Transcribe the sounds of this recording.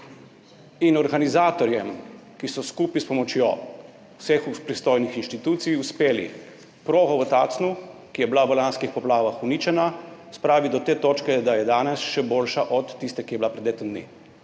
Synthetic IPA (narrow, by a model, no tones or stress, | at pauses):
inɔɾɡanizaːt̪ɔɾjɛmkisɔskuːpispɔmɔt͡ʃjo | sexupɾist̪oːjnixinʃt̪it̪uːt̪sijuspeːlḭ | pɾoːɣɔʋət̪a̰ːt̪snukijɛblaʋəlanskixpɔplaːʋaxuniːt͡ʃɛnaspɾaːʋid̪ɔt̪eːt̪oːt͡ʃkɛd̪ajɛd̪aːnɛsʃɛboːlʃaʔɔt̪ːist̪ɛkijɛbilapɾɛd̪eːt̪ɔnd̪nḭː